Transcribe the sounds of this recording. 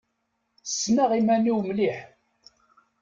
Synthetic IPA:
sːnaʁimæniwmliħ

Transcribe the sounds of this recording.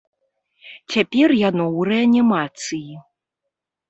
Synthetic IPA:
t͡sʲapʲɛrjanɔwrɛanʲimat̪sɨji

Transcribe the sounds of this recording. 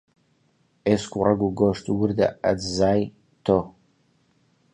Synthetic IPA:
eskʷʰʼʊraɡʷuɡoʂtʰʼwʊrda̰a̰d͡zzaːj | tʰo

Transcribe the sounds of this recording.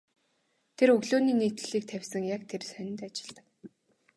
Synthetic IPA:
t̪ʰerɵɣɮoːniːniːt̪ɘ̆ɮiːk̚t̪ʰæwʲsə̆ŋjakt̪ʰersœnʲɪ̆nt̪at͡ɕɪ̥̆ɮt̪ə̆k

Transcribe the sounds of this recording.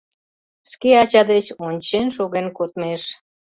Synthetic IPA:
ʃkeɑt͡ɕɑd̪et͡ɕonʲt͡ɕenʃoɣenkot̪meʃ

